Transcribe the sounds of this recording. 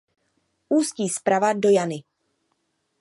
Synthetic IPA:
ʔuːsciːspɾavado̞janɪ

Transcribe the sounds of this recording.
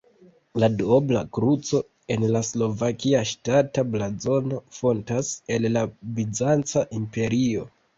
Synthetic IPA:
ladobla̰kɾut͡so̞ | e̞nlaslo̞vakiaʃtatablazo̞no̞fo̞ntase̞llabid͡zant͡saʔimpe̞ɾio̞

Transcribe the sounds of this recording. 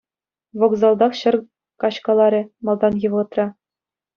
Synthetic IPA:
ʋoɡzɑlˠd̪ɑχɕɤ̆r | kɑɕkɑlˠɑɾʲɘ̆mɑlˠd̪ɑnjɤ̆ʋʁɤ̆t̪rɑ

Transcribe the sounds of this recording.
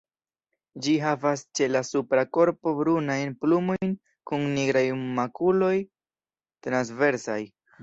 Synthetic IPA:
d͡ʒiɦavast͡ʃe̞lasupɾako̞ɾpo̞bɾunajnplumo̞jn | kunːiɡɾajmakulo̞j | t̪ɾans̬ve̞ɾsa̰j

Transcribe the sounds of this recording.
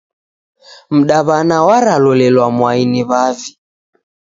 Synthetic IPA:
m̩ɗaβanawaɾalɔlɛlwamwainiβavi

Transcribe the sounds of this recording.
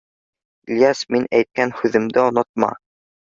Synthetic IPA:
lʲjɑsminæjt̪̚kænhʉðɘ̆md̪ɘŏnɤ̆t̪̚mɑ̰

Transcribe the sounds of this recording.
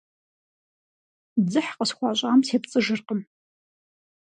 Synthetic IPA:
d͡zɨħqʼəsχʷaɕʷʼaːmtʰept͡sʼɨʒɨrqəm

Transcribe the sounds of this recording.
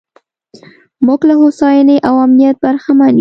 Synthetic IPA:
mʊɡlahosɑjaneʔawamnijat̪̚baɾxaman

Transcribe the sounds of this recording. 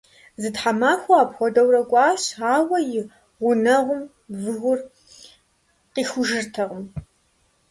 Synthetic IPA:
zɨtħamaːxʷɔaːpxʷɔdɐwrɐkʷʼaːɕaːwɐjɪ | ʁʷʊnɐʁʷʊm | vɨɣʷʊr | qiːxʷʊʒɨrtʰɐʁəm

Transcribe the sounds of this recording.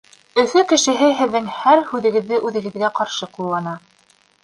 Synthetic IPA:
ɵ̆fɵkɘ̆ʃɘ̆ɦɘɦɘ̆ðːɘŋhæɾhʉðɘ̆ɡɘ̆ðːɘʔʉðɘ̆ɡɘ̆ðɡæqɑɾʃɤqulˠːɑnɑ

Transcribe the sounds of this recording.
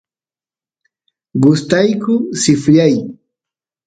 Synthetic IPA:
ɢʊst̪ajkʊsɪfʎaj

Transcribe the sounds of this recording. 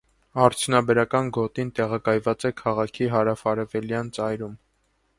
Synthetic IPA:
ɑɾt͡sʰjunɑbɛɾɑkɑnɡɔt̪int̪ɛʁɑkɑjvɑt͡sɛkʰɑʁɑkʰiɦɑɾɑfɑɾɛvɛljɑnt͡sɑjɾum

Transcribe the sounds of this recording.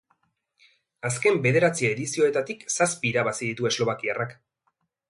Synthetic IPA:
as̬ke̞mbe̞ðe̞ɾat͡siaeðisio̞e̞t̪at̪iksaspiːɾaβasiðit̪ue̞zlo̞β̞akiarak

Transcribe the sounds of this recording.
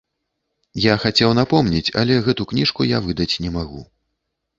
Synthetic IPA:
jaxat͡sʲɛwnapɔmnʲit͡sʲɐ̰lʲɛɣɛt̪uknʲiʂkujavɨd̪ɐt͡sʲnʲɛmaɣṵ

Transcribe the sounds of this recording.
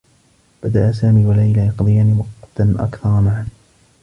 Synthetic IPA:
b̥ad̪aʔasaːmiːwalajlajɑqd̪ˤɨjaːniːwɑqːt̪ʔa̰kθɑɾˤmaʕan

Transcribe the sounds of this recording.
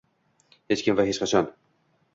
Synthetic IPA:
het͡ʃkʲɪmvahɦet͡ʃqɑt͡ʃʰɒn

